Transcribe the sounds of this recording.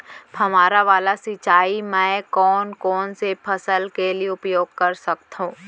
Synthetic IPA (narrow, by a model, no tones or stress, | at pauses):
pʰɐmaːɾaʋaːlasɪt͡ʃaːimɛ̃ːkɔːnkɔːnsepʰɐsəlkelieʊpjoːɡ̚kɐɾsɐk̚t̪ɦũː